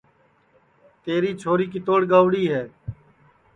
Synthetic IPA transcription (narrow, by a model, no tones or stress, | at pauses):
t̪eːɾiːt͡ʃʰoːɾiːkɪt̪oːɽɡaːʋɽiːɦɛː